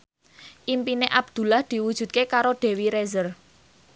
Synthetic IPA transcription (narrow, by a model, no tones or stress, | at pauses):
ʔimpineʔab̥̚d̪̥ṳlahd̪̥i̤wud̥ʒ̥ṳt̪̚kekaɾoɖ̪̥e̤wiɾezər